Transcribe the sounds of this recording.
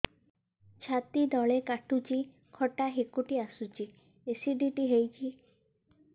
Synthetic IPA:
t͡ʃʰat̪id̪ɔɭekaʈut͡ʃʰi | kʰɔʈaɦekuʈiasut͡ʃʰi | esiɖiʈiɦejt͡ʃʰi

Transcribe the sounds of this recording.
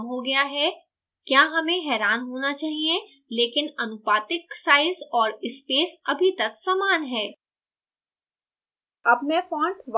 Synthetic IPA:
mɦoɡɐjaɦɛː | kjaːɦɐmẽɦɛːɾaːnɦoːnat͡ʃaːɦiẽ | leːkɪnɐnʊpaːt̪ɪksaːɪzɔːɾɪspeːsɐbʱit̪ɐksaːmaːnɦɛː | ɐbmɛ̃fɔ̃ːɳʈʋ

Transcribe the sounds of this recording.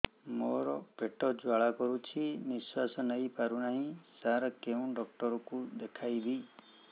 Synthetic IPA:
moɾɔpeʈɔd͡ʒwaɭakɔɾut͡ʃʰiniswasɔnəjpaɾunaɦĩsaɾɔkeũɖɔk̚ʈɔɾɔkud̪ekʰajbi

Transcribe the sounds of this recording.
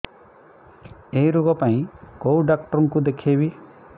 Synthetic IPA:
eɦiɾoɡɔpaĩkowɖakʈɔɾɔŋkud̪ekʰebi

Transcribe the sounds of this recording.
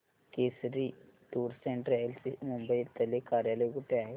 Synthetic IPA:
keːsɾiʈuːɾseɳʈɾejɐlsimumbɐjt̪ɐlːikaːɾjaːlɐjɡuʈːeaːɦe

